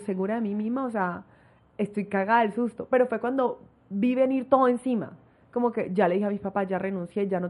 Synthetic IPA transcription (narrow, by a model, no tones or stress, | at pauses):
se̞ɣuɾaðe̞mimizmaosea | est̪ojkaɣaðelsust̪o̞pe̞ɾo̞fwe̞kwand̪o̞ | biβeniɾt̪o̞ðoe̞nsima̰ | ko̞mo̞ke̞d͡ʒale̞ðihamispapad͡ʒare̞nũnsje̞d͡ʒano